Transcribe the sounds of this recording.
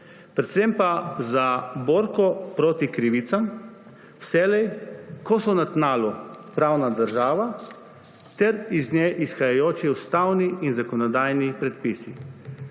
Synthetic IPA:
pɾɛt̪sempazabɔːɾkɔpɾoːt̪ikɾiʋit̪sam | w̥sɛːlɛjkɔsɔnat̪naːlupɾawnad̪əɾʒaːʋa | t̪ɛɾiznʲjɛʔisxajajoːt͡ʃiust̪awniinzakɔnɔd̪aːjnipɾɛt̪̚pisi

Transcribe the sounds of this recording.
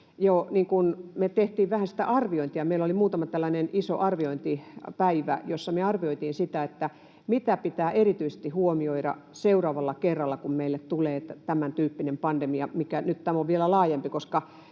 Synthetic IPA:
joːniːŋkunmet̪eht̪iːʋʋæhænsi̥t̪æ̰ʔɑrʋioint̪ijɑmeilːolimuːt̪ɑmɑt̪ælːæneniso̰ʔɑrʋioint̪ipæiʋæ̰josːɑmeɑrʋioit̪iːnsit̪æet̪ːæ | mit̪æpit̪æːʔerit̪yisest̪ihuomioiɾɑ̰seurɑːʋɑlːɑkerːɑlːɑkummeilːet̪t̪uleːt̪æt̪æmænt̪yːpːinempɑnd̥emiɑmikænyt̪t̪æmoʋʋielælɑːjempikoskɑ

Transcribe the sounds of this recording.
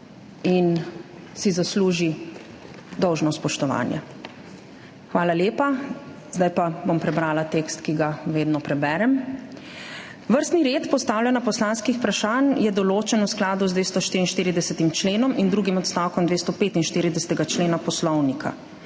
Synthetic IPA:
in | sizasluːʒi | d̪ɔwʒnɔspɔʃt̪ɔʋa̰ːnjɛ̰ | xʋaːlaljeːpa | z̥d̪ajpabompɾɛbɾaːlat̪eːkst̪kiɡaʋeːd̪nɔpɾɛbɛːɾɛm | ʋəɾst̪niɾeːt̪pɔst̪aːwlʲjanapɔslaːnskixpɾaʃaːnjɛd̪ɔloːt͡ʃɛnusklaːd̪uzd̪ʋeːst̪ɔʃt̪iːɾinʃt̪iːɾid̪ɛsɛt̪imt͡ʃleːnɔmind̪ɾuːɡimɔt̪st̪awkɔmd̪ʋeːst̪ɔpeːt̪inʃt̪iːɾid̪ɛsɛ̥t̪ɛɡat͡ʃleːnapɔslɔwnikʰa̰

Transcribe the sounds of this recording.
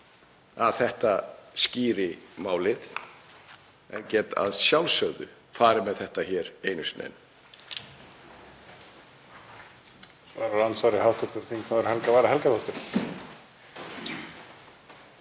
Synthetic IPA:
aðθɛht̪asciːɾɪmaːwlɪð | ɛncɛːt̪a̰ðsjawlsœɣðʏ̰ | faːɾɪmɛðθɛht̪açɛːɾejnʏsnḛjn | sva̰ːɾaɾansvaɾɪhawht̪ʰɔɾt̪ʏɾ̥θiŋknaðʏɾ̥hɛlkavaːɾaɦɛlkaɾɔt̪ʏɾ̥

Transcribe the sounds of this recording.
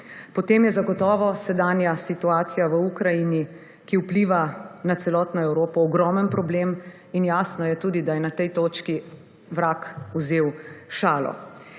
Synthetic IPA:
pɔt̪eːmjɛzaɡɔt̪ɔːʋɔsɛd̪aːnjasit̪uaːt̪sijaʋəukɾajini | kiupliːʋanat̪sɛlɔt̪nɔɛwɾoːpɔːɡɾɔːmənpɾɔbleːm | injaːsnɔjɛt̪uːd̪id̪ajɛnat̪ɛjt̪oːt͡ʃki | ʋɾakuzeːwʃaːlɔ̰

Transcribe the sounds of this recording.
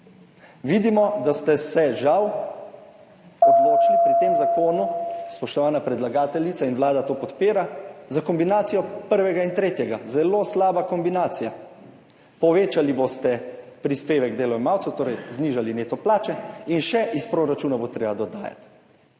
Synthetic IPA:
ʋid̪imɔd̪ast̪ɛsɛʒaw | ɔd̪loːt͡ʃnipɾit̪emzakoːnuspɔʃt̪ɔʋaːnapɾɛd̪laɡaːt̪ɛlit̪sainwlaːd̪at̪oːpɔt̪peːɾazakɔmbinaːt̪sijɔpəɾʋɛɡaint̪ɾeːt̪jɛɡazɛloslaːbakɔmbinaːt̪sija | pɔʋeːt͡ʃalibost̪ɛpɾispeːʋɛɡd̪eːlɔɛmaːwt̪sɛt̪oːɾɛjzniʒalineːt̪ɔplaːt͡ʃɛinʃɛʔispɾoːɾat͡ʃuːnabot̪ɾeːbad̪ɔd̪a̰ːja̰t̪

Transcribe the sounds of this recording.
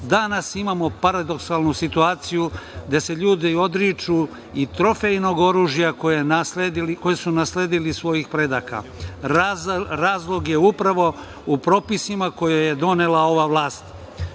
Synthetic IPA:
d̪anasimamo̞paɾad̪o̞ksalˠnusit̪uaːt̪sijud̪e̞se̞ʎuːd̪io̞d̪ɾit͡ʃu | it̪ɾo̞fejno̞ɡo̞ɾuːʒjakojesleiliko̞jesunasleːd̪ilisʋo̞jixpɾe̞d̪aːka̰ | ɾaːzlˠo̞ɡje̞upɾaʋo̞ | upɾo̞ːpisimako̞jojed̪o̞nelao̞ʋaʋlˠaːst̪

